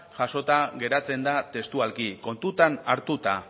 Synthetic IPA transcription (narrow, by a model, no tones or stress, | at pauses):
ʝaso̞t̪aɣe̞ɾat͡se̞nd̪at̪e̞st̪ualkiko̞nt̪ut̪anaɾt̪ut̪a